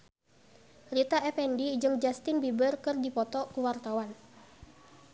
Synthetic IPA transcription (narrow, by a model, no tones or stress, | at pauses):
rit̪aʔɛfɛndid͡ʒɨŋd͡ʒast̪ɪnbibərkɨrdipɔt̪ɔkuwart̪awan